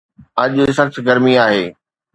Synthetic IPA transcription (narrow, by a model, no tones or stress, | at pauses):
ɐʄsɐxsɡɐɾmiaːɦeː